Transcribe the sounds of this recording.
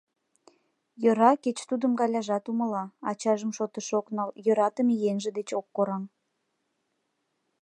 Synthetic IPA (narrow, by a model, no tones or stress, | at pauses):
jøɾɑket͡ɕt̪ud̪əmɡɑlʲɑʒɑt̪uməlɑɑ̰t͡ɕɑʒəmʃot̪əʃoknɑljøɾɑt̪əmijenʒĕd̪et͡ɕokːoɾɑm